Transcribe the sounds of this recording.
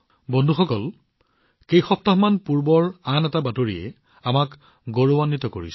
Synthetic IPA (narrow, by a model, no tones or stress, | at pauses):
bɔndʱuxɔkɔl | kejxɔp̚taɦmanpuɹbɔɹanɛtabatoɹiɛ̰ | amak | ɡoɹowanːitɔko̰ɹḭs